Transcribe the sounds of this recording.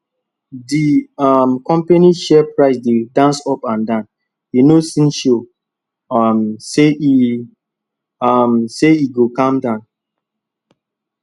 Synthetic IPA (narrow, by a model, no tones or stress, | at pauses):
diamkɔ̃mpeniʃɛpɹaɪsdedãnsɔpãndãn | inosĩnʃo | msei | mseiɡokãmdãn